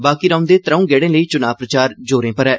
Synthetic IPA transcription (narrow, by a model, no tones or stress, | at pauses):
baːkiːɾaʊ̃nd̪eːt̪ɾəũːɡɛːɽẽːləiːt͡ʃʊnaːʋpɾət͡ʃaːɾd͡ʒoːɾẽːpəɾɛː